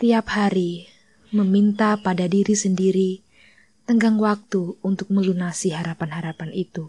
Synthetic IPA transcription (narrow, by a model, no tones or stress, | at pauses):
t̪iaphaɾi | məmint̪apadadiɾisəndiɾi | t̪əŋɡaŋwak̚t̪uːnt̪ʊk̚məlunasiɦaɾapanɦaɾapanit̪u